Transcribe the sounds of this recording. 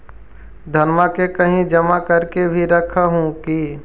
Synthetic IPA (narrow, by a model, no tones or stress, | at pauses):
d̪ʱɐnmakekɐɦĩd͡ʒɐmakɐɾkebʱiɾɐkʰaɦũki